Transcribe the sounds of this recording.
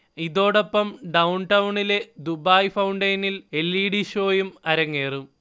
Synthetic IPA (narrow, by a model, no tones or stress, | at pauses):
iðo̞ːɽopːɐmɖɐwɳʈɐwuɳile̞d̪ubaːjfɐwɳɖɐjnilelːiːɽiɕo̞ːjumɐɾɐŋːeːrum